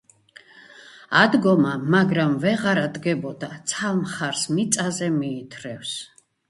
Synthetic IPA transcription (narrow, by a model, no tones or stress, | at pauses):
ad̪ɡɔmamaɡɾamvɛʁaɾad̪ɡɛbɔd̪at̪sʰalmχaɾsmit̪sʼazɛmiːt̪ʰɾɛfs